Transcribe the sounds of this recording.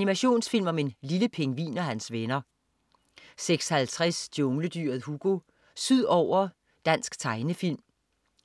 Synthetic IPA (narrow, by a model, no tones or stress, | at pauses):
ænimæɕo̝̰ːnsfil̰mɒ̽me̝nliləpʰe̝ŋʋḭːnɒhænsʋenɐ | seɡ̥shælt͡sʰʁɛsd̥iɔŋləd̥yɐ̰ð̩ˠhuɡ̥o̝ | syð̰ˠɒʊ̰ɐ | d̥æn̰sɡ̥t͡sʰɑ̈ɪnəfil̰m